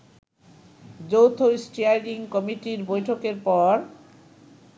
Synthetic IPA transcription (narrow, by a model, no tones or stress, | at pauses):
d͡ʑowt̪ʰosʈiajɖiŋkɔmiʈiɾbojʈʰokeɾpɔɾ